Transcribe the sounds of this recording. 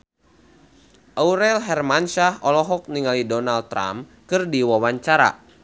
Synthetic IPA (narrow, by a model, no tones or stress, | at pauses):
ʔauɾɛlɦɛrmanʃahɔlɔɦɔk̚niŋalidɔnal̚t̪ːɾa̰mkɨrdiwawaɲt͡ʃaɾa̰